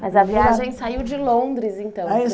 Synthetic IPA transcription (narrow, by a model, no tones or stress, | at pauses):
mɐzɐviaaʒẽj̃t͡ʃsaiwd͡ʒɪlõd̪ɾɪzẽt̪ɐ̃w̃a